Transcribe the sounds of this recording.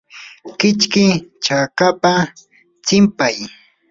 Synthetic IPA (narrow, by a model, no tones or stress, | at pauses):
kɪt͡ʃkɪt͡ʃakapa | t͡sɪmpaj